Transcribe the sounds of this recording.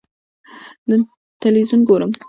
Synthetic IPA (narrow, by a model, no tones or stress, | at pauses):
nən | t̪ɪlwizunɡoɾəm